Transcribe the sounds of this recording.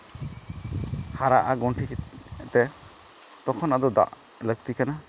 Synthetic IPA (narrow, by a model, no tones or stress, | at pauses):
haɾaʔaɡɔɳʈʰikt̪ɛ | t̪ɔkʰɔnad̪ɔd̪a̰ʔ | ləɡ̚t̪ikana